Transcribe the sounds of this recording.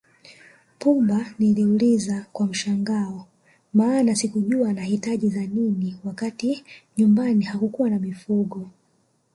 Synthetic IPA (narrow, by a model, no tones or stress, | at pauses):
pumbaniliulizakwam̩ʃaŋɡaɔ | maːnasikuʄuanahitaʄizaniniwakatiɲumbanihakukuwanamifuɡɔ